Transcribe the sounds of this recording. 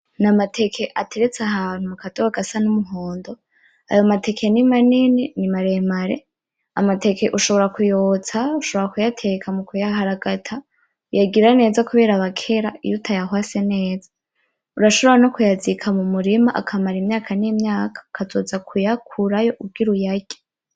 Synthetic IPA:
namatʰe̞kʰe̞ʔatʰe̞ɾet͡saɦan̥huakatowaɡasanumuɦoːndo̞ | a̰jomatʰe̞kʰenimanininimaɾemaɾe̞̰ | a̰mate̞ke̞ʔuʃo̞βo̞ɾakujoːt͡sauʃoβoɾakujatʰe̞kʰamukujaɦaɾaɡatʰa | ujaɡiɾane̞ːzakuβe̞ːɾaβakʰe̞ɾaḭjutʰajahwase̞ne̞ːzḁ | uɾaʃo̞βoɾanokujazikʰamumuɾimaʔa̰kʰamaɾimɲaːkʰaniimɲaːkʰḁkʰazo̞ːzakʰujakʰuɾajo̞ʔub̚ɡiɾujaɡe

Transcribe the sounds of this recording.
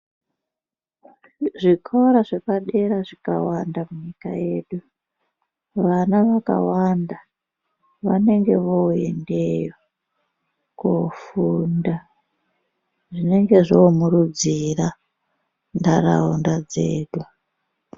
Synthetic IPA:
ʐikʰoɾaʐekaɗe̞ɾaʐika̰wandamuɲika̰je̞ɗu | ʋanaʋaka̰wanda | ʋa̰ne̞ŋɡe̞ʋoḛnde̞jo | kofunda | ʐine̞ŋɡe̞ʐomurud͡zira | ndaɾa̰undad͡ze̞ːɗu

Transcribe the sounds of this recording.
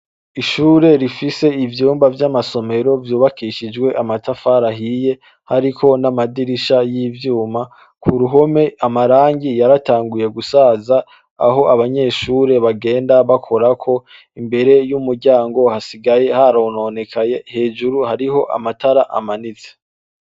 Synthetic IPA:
iʃuːɾe̞ɾifise̞ivjuːmbavjamaso̞me̞ɾo̞vjuːβakʰiʃid͡ʒɡwe̞ʔamatʰafaɾahije̞ | haɾikʰo̞namadiɾiʃajiːvjuːma | kʰuɾuɦo̞me̞ʔamaɾaːɲɟijaɾataːŋɡuje̞ɡusaːza | a̰ɦo̞ʔaβaɲe̞ːʃuːɾe̞βaɡe̞ːndaβakʰo̞ɾakʰo̞ | imbe̞ɾe̞jumuɾɟaːŋɡo̞hasiɡaje̞haɾono̞ne̞kʰajehe̞ːd͡ʒuɾuhaɾiɦo̞ʔa̰mataɾaʔa̰manit͡se

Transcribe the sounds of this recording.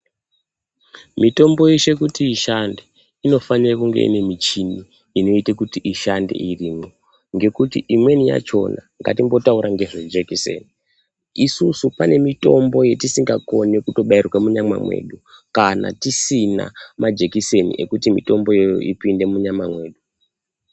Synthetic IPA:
mito̞mbo̞jeʃe̞kutiːʃande | ino̞fanirakuŋɡe̞̰ʔḭne̞mit͡ʃini | ino̞itekutiʔiʃande̞̰ʔiriːmo | ŋɡe̞kutiʔimwe̞nija̰t͡ʃo̞̰naŋɡa̰timbo̞tauɾaŋɡe̞ʐed͡ʒekisḛːni | isusupane̞mito̞mbo̞je̞tisiŋɡako̞nekuto̞ɓairwamuɲama̰mwe̞̰ːɗukana̰tisina̰mad͡ʒekise̞nḭʔḛkutimḭto̞mbo̞je̞jo̰ʔipinde̞muɲamamwe̞ːɗu

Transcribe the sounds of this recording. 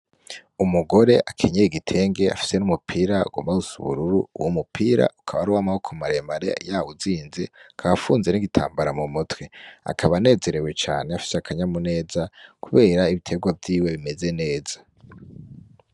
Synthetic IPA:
umuɡo̞ɾe̞ʔakʰeɲejiɡitʰe̞ːŋɡe̞a̰fi̥se̞numupʰiɾaṵɡo̰mausṵβṵɾuɾṵuwomupʰiːɾa̰ukʰaβaɾuwaːmahokʰomaɾemaɾḛjaːwuziːnzekʰaβafuːnze̞niɡitʰa̰ːmbaɾamumutwea̰kʰaβane̞ːze̞ɾe̞we̞t͡ʃa̰ːneafi̥seakʰaɲamune̞ːzakuβe̞ːɾaiβitʰe̞ɡwavjiːwe̞βime̞ze̞ne̞ːza

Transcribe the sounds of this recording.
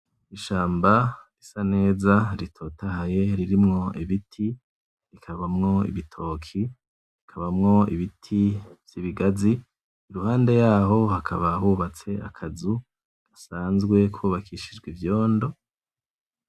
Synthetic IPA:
iʃaːmbaisane̞ːzaɾitʰo̞tahaje̞ɾiɾimŋo̞iβitʰi | ɾikʰaβamŋo̞ḭβitʰo̞ːkʰi | ɾikʰaβamŋo̞ḭβitʰivj̥iβiɡazi | iɾuɦaːnde̞jaːɦo̞hakʰaβahuβat͡se̞a̰kʰazu | ɡ̥asaːnzɡwe̞kʰuːβakʰiʃid͡ʒɡwivjo̞ːndo̞

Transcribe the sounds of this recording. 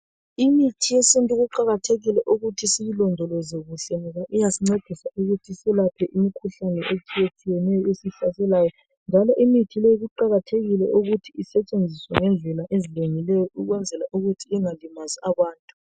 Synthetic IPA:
imitʰijɛsintʼuɣuǃaɣatʰeɣilɛʔuɣutʰisiβilɔndʱɔlɛzeɣuɬɛnɛɣaʔijasiŋ͡ǀed̥ʱisaʔuɣutʰisɛlapʰɛʔimikʰuɬanɛʔet͡ʃʼijet͡ʃʼijɛnɛjɔesiɬasɛlajɔ | nd͡ʒʱalɔʔimitʰileiɣuǃaɣatʰeɣilɛ̰ʔuɣutʰiisɛt͡ʃʼend͡zʱiswaŋɛnd͡ɮʱɛlaʔezileŋilɛjɔʔuɣwɛnd͡zʱɛlaʔuɣutʰiɛŋalimaziaβaːntʼu̥

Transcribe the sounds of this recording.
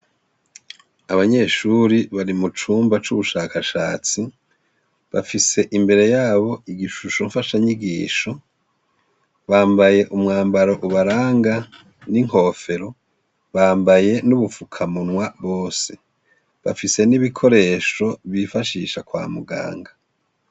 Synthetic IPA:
aβaɲe̞ʃuɾiβaɾimut͡ʃuːmbat͡ʃuβuʃaːkaʃaːt͡si | βafise̞ʔimbe̞ɾe̞jaːβo̞iɡiʃuʃo̞ɱfaʃaɲiɡiːʃo̞ | βaːmbaje̞ʔumŋaːmbaɾo̞ʔuβaɾaːŋɡa | niŋ̥o̞ːfe̞ɾo̞ | βaːmbaje̞nuβufukʰamunwaβo̞ːse | βa̰fise̞niβikʰo̞ɾe̞ʃo̞βifaʃiːʃakwa̰ːmuɡa̰ːŋɡa

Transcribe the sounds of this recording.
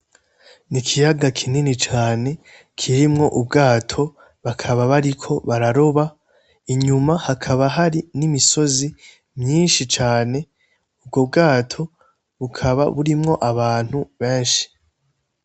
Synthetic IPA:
nikʰijaɡakʰininit͡ʃaːne̞ | kʰiɾimŋo̞ʔubɡaːtʰo̞ | βakʰaβaβaɾikʰo̞βaɾaɾo̞βa | iɲumahakʰaβaɦaɾinimiso̞zi | mɲiːnʃit͡ʃaːne̞ | ub̚ɡo̞b̚ɡaːtʰo̞ | βukʰaβa̰βuɾimŋo̞ʔaβaːn̥huβe̞ːnʃi̥

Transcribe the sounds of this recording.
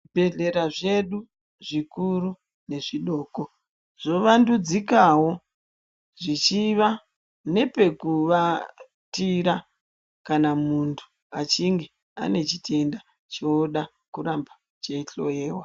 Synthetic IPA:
ibʱe̞ɮe̞ɾaʐe̞ɗu | ʐikuɾu | ne̞ʐiɗo̞ːko | ʐ̥o̞ʋandud͡zikawo̞ | ʐit͡ʃiʋa | ne̞pe̞kuʋa | tiɾa | kanamuntʰu̥ | at͡ʃiŋɡe̞ | a̰ne̞t͡ʃitʰe̞nda | t͡ʃoɗa | kuramba | t͡ʃeiɬo̞̰je̞ːwa

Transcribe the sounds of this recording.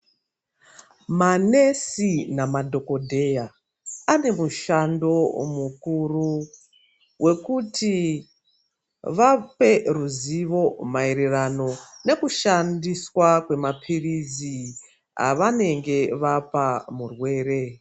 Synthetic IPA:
mane̞sinamadʱo̞ko̞dʱe̞ja | ane̞muʃando̞mukuru | wʔe̞kuti | ʋape̞ruziʋo̞maiɾirano̞ne̞kuʃandiswakwe̞mapʰirizi | a̰ʋane̞ŋɡe̞ʋapamurwe̞ːɾe̞

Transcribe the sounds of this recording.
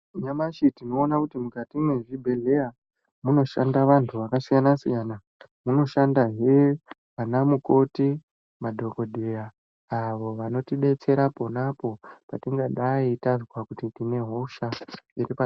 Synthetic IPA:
ɲamaʃitinoːnakutimukatimwe̞ʐibʱe̞ɮe̞a | muno̞ʃa̰ndaʋantʰuʋakasijanasijana | muno̞ʃandaɦe | anamuko̞ti | madʱo̞ko̞dʱejaː | ʋo̞ʋano̞tiɗe̞t͡se̞ɾapo̞napo̞patiŋɡaɗaitazwakutitine̞ɦo̞ʃaiɾipa

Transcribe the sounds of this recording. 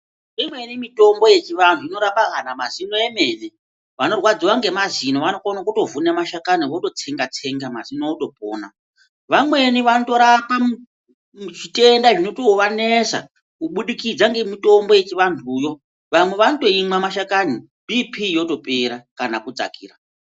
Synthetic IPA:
imwe̞nimito̞mbo̞je̞t͡ʃiʋantʰuino̞ɾapaɦanamazinoeme̞ne | ʋano̞rwad͡ziwaŋɡe̞mazino̞ʋanokonakuto̞vunemaʃakaniʋoto̞t͡se̞ŋɡat͡se̞ŋɡamazinooto̞po̰ːna | ʋamwe̞niʋanoto̞ɾapa | ʐite̞ndaʐino̞to̞ʋanesa̰ | kuɓuɗikid͡zaŋɡe̞mito̞mbo̞je̞t͡ʃiʋantʰuːjo̞ | ʋamwe̞ʋanoto̞imwamaʃakani | bʱipʰijo̞to̞pe̞ɾakanakud͡za̰kiːra

